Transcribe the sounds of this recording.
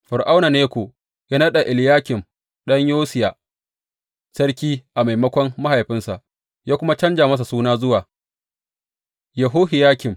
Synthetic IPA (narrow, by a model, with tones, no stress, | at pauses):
ɸʊ˨ɾʔa˦wna˨neː˦kʷoː˨ | ja˦nɐ˦ɗa˨ʔɪ˨ljaː˦kʲɪ˨m | ɗɐ˦ɲjoː˦sɪ˨jaː˨ | sɐ˦rkʲiː˦ʔa˨ma˨jmɐ˦kʷɔ˦mːa˦ha˨jɸɪ˦nsa˨ʔ | jaː˦kʷʊ˦ma˦t͡ʃɐ˦nd͡ʒaː˨mɐ˦s̬a˨suː˦naː˦zʊ˦waː˨ | jɐ˨ɦoː˦ɦɪ˨jaː˦kʲɪ˨m